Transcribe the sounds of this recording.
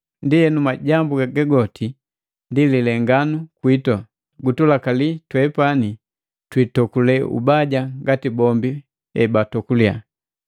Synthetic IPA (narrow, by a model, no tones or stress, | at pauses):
ndijɛnumaɟambuɡaɡɛɡɔtʰi | ndililɛŋɡanukwitɔ | ɡutulakalitwɛpani | twitɔkulɛṵbaɟaɡatibɔmbi | ɛ̰batɔkulia